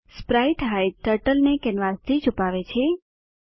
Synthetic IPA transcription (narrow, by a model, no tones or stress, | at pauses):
spɾajʈɦajʈəɾʈəlnekɛnʋast̪ʰit͡ʃupaʋet͡ʃʰe